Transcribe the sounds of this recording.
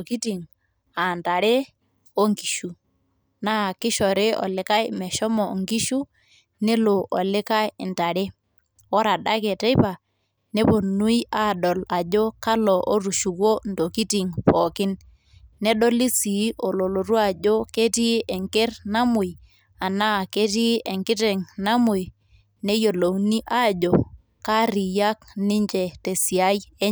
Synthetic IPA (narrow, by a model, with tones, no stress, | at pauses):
ki˦ti˨ŋ | a˨nta˨ɾe˦ | o˦ŋki˨ʃu˦ | na˦˨kɪ˦ʃɔ˨ɾe˦ɔ̰˨lɪ˨ka˦jmɛ˨ʃɔ˦mɔ˨ŋɡi˦ʃu˦ | nɛ˦lo˨ʔɔ̰˨lɪ˦ka˦jnta˨ɾe˦ | wɔ˦ɾa˨ɗa˦ke˨te˦jpa˨ | ne˦po˨nu˦ja˦ɗɔ˨la˨d͡ʒo˦ka˦lɔ˨ʔo˦ɾu˨ʃu˨ko˦ndo˨ki˦ti˨ŋpɔ˨kɪ˦nː | ɛ˦ɗɔ˦li˦si˨˦o˨lo˨lo˨ɾu˦a˦˨d͡ʒo˦ke˦ti˦ɛ˨ŋke˦rna˦mʊ˨j | a˨na˦˨ke˦ti˦ʔɛ˨ŋkɪ˦tɛ˨ŋna˦mʊ˨j | nɛ˦jo˨lo˨wni˦ʔa˦˨d͡ʒo˨ | ka˦ɾi˨ja˦knɪ˦ɲd͡ʒɛ˨te˨si˨a˦jɛ˦